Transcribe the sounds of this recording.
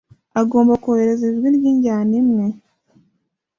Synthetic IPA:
aɡo̞ːmbakooheɾeziʒɡiɾɡiːɲɟaːnimŋe̞

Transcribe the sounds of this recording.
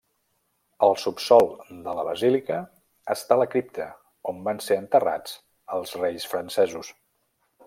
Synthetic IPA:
əlˠsupsɔlˠd̪ələβəzilikəː | st̪aləkɾip̚t̪ʰə | ombanseənt̪əra̰t͡s | əlˠzrejsfɾənsɛzus

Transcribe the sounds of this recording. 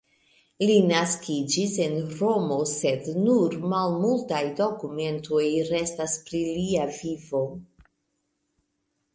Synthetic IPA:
linaskid͡ʒise̞nɾo̞mo̞se̞dnuɾmalmultajdo̞kume̞ntʰo̞jɾe̞staspɾiliavivo̞

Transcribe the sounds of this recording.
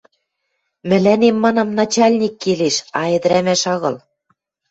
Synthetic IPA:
mɘ̆lænemːɑnɑmnɑt͡ɕɑlʲnʲikːeleʃɑĕd̪̆ɾæmæʃɑɣɤ̆l

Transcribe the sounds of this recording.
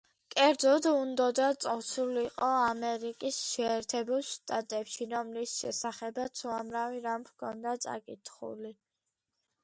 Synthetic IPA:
kʼɛɾd̪zɔd̪und̪ɔd̪at̪sʼɔt̪sʰuliːqʼɔamɛɾikʼisʃɛɛɾt̪ʰɛbulˠʃt̪ʼat̪ʼɛpʃiɾɔmlisʃɛ̰saχɛbat̪sʰuamɾaviɾamkʰɔnd̪at̪sʼa̰kʼit̪ʰχṵli

